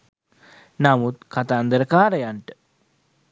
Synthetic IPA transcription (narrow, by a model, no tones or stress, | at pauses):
namut̪kat̪aːnd̪əɾəkaːɾəjaɳʈə̥